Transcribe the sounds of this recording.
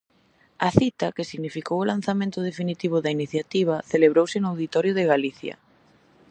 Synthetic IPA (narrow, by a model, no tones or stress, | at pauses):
ɐθit̪ɐkɪsiɣnifikowʊlanθamẽnt̪ʊð̞efinit̪iβ̞ʊðɐiniθjat̪iβ̞ɐθeleβɾowsɪnʊawðit̪ɔɾjʊðɪɣaliθjɐ̰